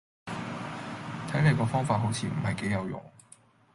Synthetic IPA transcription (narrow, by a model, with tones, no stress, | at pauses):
t̪ʰɐ˨˥jne˨˧jkɔː˧fɔː˥ŋfaː˧t̚ɦo˨˥wt͡sʰiː˧m̩˨˩hɐ˨˩jke˨˥jɐ˨˧wjʊ̰˨ŋ